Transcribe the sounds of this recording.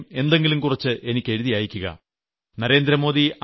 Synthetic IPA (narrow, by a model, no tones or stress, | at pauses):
me̞nd̪e̞ŋɡilumkurɐt͡ɕːɨʔe̞nikʲːe̞ɻuðijaːjikʲːuɣɐ̰ | nɐɾe̞ːnd̪ɾɐmo̞ːði